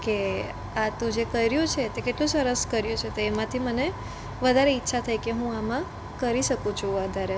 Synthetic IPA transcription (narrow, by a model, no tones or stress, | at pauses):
ke | at̪ũd͡ʒekəjɾjũt͡ʃʰet̪ekeʈlũsəɾəskəɾjũt͡ʃʰet̪oemãt̪ʰiməne | ʋəd̪ʱaɾeitːʃʰat̪ʰəjkeɦũamã | kəɾiʃəkũt͡ʃʰũad̪ʱaɾe